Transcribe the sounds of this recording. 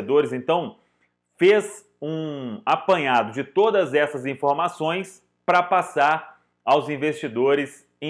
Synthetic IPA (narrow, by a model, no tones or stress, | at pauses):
ed̪oɾɪzẽnt̪ɐ̃w̃ | fez | ũapɐ̃ɲad̪ʊd͡ʒɪt̪od̪ɐzɛsɐzĩfoɾmasõj̃s | pɾɐpasaɾ | awzĩvest͡ʃid̪oɾɪs | ẽ